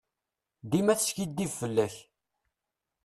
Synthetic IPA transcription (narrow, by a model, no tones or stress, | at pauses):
d̪imæθə̥ʃkid̪ːivfəlːæç